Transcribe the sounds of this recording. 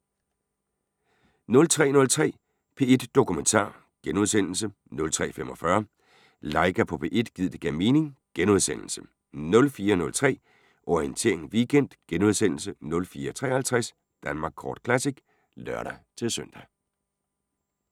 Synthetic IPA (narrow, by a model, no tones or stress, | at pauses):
nɔ̽lt͡sʰʁɛ̰ːnɔ̽lt͡sʰʁɛ̰ː | pʰe̝ːe̝d̥ːo̝kument͡sʰɑ̰̈ː | ɡ̥enuðˠsen̰l̩sə | nɔ̽lt͡sʰʁɛ̰ːfemʔɒ̽fɶɐ | lɑ̈ɪɡ̥æpʰɒ̽pʰe̝ːʔe̝d̥ɡ̥ið̰ˠd̥e̝ɡ̥æme̝ːne̝ŋɡ̥enuð̞ˠsen̰l̩sə̥ | nɔ̽lfiːɐnɔ̽lt͡sʰʁɛ̰ː | ʔɒient͡sʰe̝̰ɐ̰eŋʋiɡ̥en̰d̥ɡ̥enuðˠsen̰l̩sənɔ̽lfiːɐt͡sʰʁɛ̰ːhælt͡sʰʁæs | d̥ænmɑ̈ːɡ̥kʰɒ̰ːd̥kʰlæsiɡ̥ | lɶɐ̰ɾ̥æt͡sʰe̝lsøn̰d̥æ